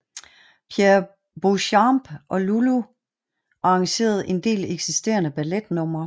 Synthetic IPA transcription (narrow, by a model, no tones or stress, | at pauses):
pʰjeɐ | b̥uɕɑmb̥ʔɒ̽lulu | ʔɑ̈ɑ̈ŋɕe̝̰ːɐð̞ˠe̝nd̥e̝̰ːleɡ̥sisd̥e̝̰ːɐnəb̥æled̥nɔ̽m̰ɐ